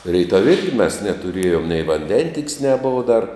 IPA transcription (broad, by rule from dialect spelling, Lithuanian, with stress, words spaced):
ˈrʲɛɪtɐw ˈɪrʲɡʲɪ mʲɛs nʲɛtʊˈrʲiɛjʊm nʲɛɪ ʋɐnʲˈdʲɛnʲtʲɪkʲsʲ nʲɛˈboːʋɐ dɐr